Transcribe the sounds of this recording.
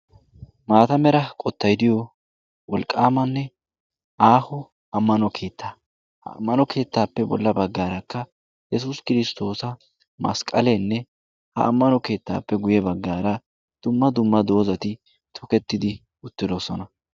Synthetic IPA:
maːt̪ɐmɛɾɐkʼɔt̪ːɐjd̪ɪjɔ | wɔlkʼːaːmɐnːɛ | aːhʊ | ɐmːɐnɔkʰe̞ːt̪ʰːaː | hɐ̰ɐ̰mːɐnɔke̞ːt̪ːaːpːɛbɔ̰lːɐbɐɡːaːɾɐkːɐ | jɛs̬ʊskɪɾɪst̪o̞ːsɐ | mɐ̰skʼɐlenːɛ | hɐ̰ʔɐ̰mːɐnɔke̞ːt̪ːa̰ːpːɛɡʊjɛbɐɡːaːɾɐ | d̪̥ʊmːɐd̪ʊmːɐd̪o̞ːzɐt̪ɪ | t̪ʰɔkɛt̪ːɪd̪ɪ | ʊt̪ːɪd̪ɔsɔnɐ

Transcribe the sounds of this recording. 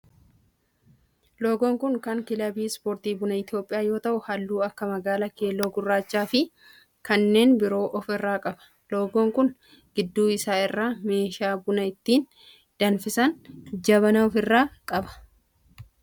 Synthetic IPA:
lo̞ːɡoːŋkʊŋkɐŋkɪlɐbiːspoːɾt̪iːbʊnɐɪt̪ɪjo̞ːpʼːɪjaːjo̞ːt̪ɐʔʊhɐlːuːɐkːɐmɐɡaːlɐke̞ːlːoːɡʊrːaːt͡ʃːaːfɪ | kɐnːe̞ːnbɪɾo̞ːʔɔfɪrːaːkʼɐbɐ̥ | lo̞ːɡoːŋkʊn | ɡ̥ɪd̪ːuːɪsaːɪrːaːme̞ːʃaːbʊnɐɪt̪ːiːn | d̪̥ɐnfɪsɐnd͡ʒɐβɐnɐɔfɪrːaːkʼɐbɐ̥

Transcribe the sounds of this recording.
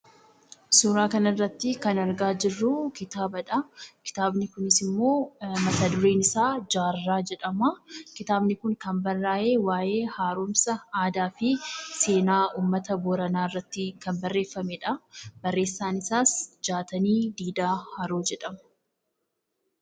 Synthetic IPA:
suːɾaːkɐnɐrːɐt̪ːɪkɐnɐɾɡaːd͡ʒɪrːʊkɪt̪aːbɐᶑɐkɪ̥t̪aːbnɪkʊnɪsɪmːo̞ːmɐt̪ɐd̪ʊɾeːnɪsaːd͡ʒaːrːaːd͡ʒɛᶑɐmɐkɪt̪aːbnɪkʊŋkɐmbɐrːaːʔe̞ːwaːje̞ːhaːɾuːmsɐaːd̪aːfɪse̞ːnaːuːmːɐt̪ɐbɔɾɐnaːɪrːɐt̪ːɪkɐnbɐrːe̞ːfːɐmɛᶑɐbɐrːe̞ːsːaːnɪsaːsd͡ʒaːt̪ɐniːd̪iːd̪aːhɐɾoːd͡ʒɛᶑɐmɐ

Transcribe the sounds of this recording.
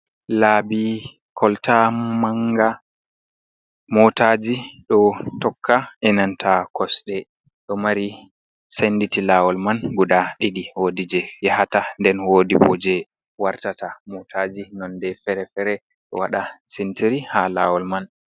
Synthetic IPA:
labi | kʰɔltamaŋɡa | mɔtad͡ʒiɗɔtɔkʰːaɛnantʰakʰɔsɗɛ | ɗɔmaɾi | senditilawɔlmanɡuɗaɗidihodid͡ʒɛjɛhatandɛnwodibɔ̰d͡ʒɛ | waɾtatamɔtʰad͡ʒinɔndɛfɛɾɛfɛɾɛ | ɗɔ̰waɗasentiɾihala̰wɔlman

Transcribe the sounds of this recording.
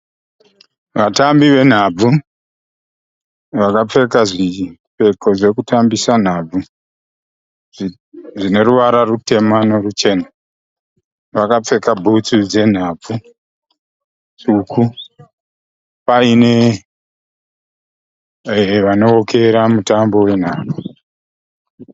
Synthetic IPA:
ʋatambiʋe̞n̤ab͡vu | ʋakap͡fe̞kaʐipe̞ko̞ʐe̞kutambisan̤ab͡vu | ʐine̞ruʋaɾarute̞mano̞rut͡ʃe̞ːna | ʋakap͡fe̞kabʱut͡sud͡ze̞n̤ab͡vu | t͡ʃuku | paine̞ | ʋano̞okʰeɾamutambo̞we̞n̤aːb͡vu

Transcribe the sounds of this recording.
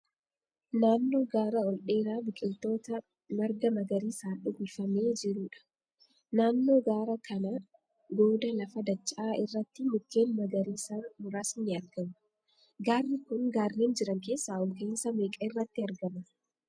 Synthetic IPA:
naːnːo̞ːɡaːɾɐɔlᶑe̞ːɾaːbɪkʼɪlt̪o̞ːt̪ɐ | mɐɾɡɐmɐɡɐɾiːsaːᶑʊɡɪfɐme̞ːd͡ʒɪɾuːᶑɐ̥ | naːnːo̞ːɡaːɾɐkʰɐnɐ | ɡo̞ːd̪ɐlɐfɐd̪ɐt͡ʃʼːaːɪrːɐt̪ːɪmʊkːe̞ːnmɐɡɐɾiːsaːmʊɾaːsnɪɐɾɡɐmɐ̥ | ɡaːrːɪkʊŋɡaːrːeːnd͡ʒɪɾɐŋke̞ːsːaːɔlkeɪnsɐmeːkʼɐɪrːɐt̪ːɪɐɾɡɐmɐ

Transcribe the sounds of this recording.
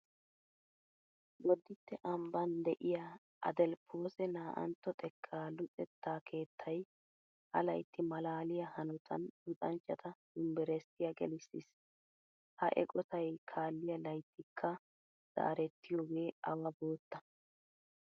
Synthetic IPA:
wɔd̪ːɪt̪ːɛʔɐmbɐnd̪ɛʔɪja | ʔɐ̰d̪ɛlpʰo̞ːsɛnaːʔɐ̰nt̪ːɔt̪ʼɛkʰːaːlʊt͡sʼɛt̪ːaːkʰe̞ːt̪ʰːɐj | hɐ̰lɐjt̪ːɪmɐlaːlɪjɐhɐnʊt̪ʰɐndʊt̪ʼɐnt͡ʃːɐt̪ɐdʊmbɛɾɛsɪjɐɡɛ̰lɪsːɪs | hɐ̰ʔɛ̰kʼɔt̪ɐjkʰaːlːɪjɐlɐjt̪ʰːɪkʰːɐ | z̥a̰ːɾɛt̪ːɪjoːɡe̞ːɐwɐboːt̪ːɐ

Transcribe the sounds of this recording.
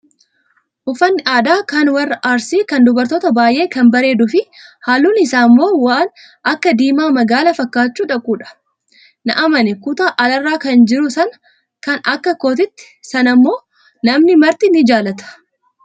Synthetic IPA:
ʔʊfɐnːɪʔaːd̪aːkɐnwɐrːɐʔaːɾsiːkɐnd̪ʊbɐɾt̪oːt̪ɐbaːjʔe̞ːkɐnbɐɾe̞ːd̪ʊfɪhaːluːnɪsaːmːo̞ːwaːn | ɐkːɐd̪iːmaːmɐɡaːlɐfɐkːaːt͡ʃːuːᶑɐkʼuːᶑɐ̥ | nɐʔɐmɐnɪkʊt̪aːʔɐlɐrːaːkɐnd͡ʒɪɾʊsɐn | kɐnɐkːɐkoːt̪ɪt̪ːɪ̥sɐnɐmːo̞ː | nɐmnɪmɐɾt̪ɪnɪd͡ʒaːlɐt̪ɐ̥

